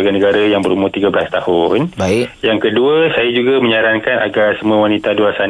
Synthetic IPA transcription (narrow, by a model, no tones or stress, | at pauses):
aɡanəɡaɾajaŋbəɾumat̪iɡabəlast̪ahʊnjaŋkəduəsajad͡ʒuɡamə̃ɲaɾaŋkana̰ɡarsəmũawanit̪aduasa